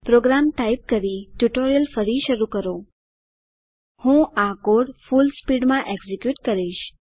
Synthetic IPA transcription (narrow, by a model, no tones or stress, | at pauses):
pɾoɡɾamʈaip̚kəɾiʈjuʈoɾijəlfəɾiʃəɾukəɾo | hũakoɽfulspiɖmãʔeɡzekjuʈkəɾiʃ